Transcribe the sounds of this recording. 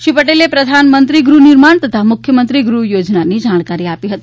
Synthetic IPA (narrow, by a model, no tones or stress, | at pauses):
ʃipəʈelepɾəd̪ʱanmənt̪ɾiɡɾuniɾmaɳt̪ət̪ʰamukʰjəmənt̪ɾiɡɾujod͡ʒnanid͡ʒaɽ̃kaɾiapiɦət̪i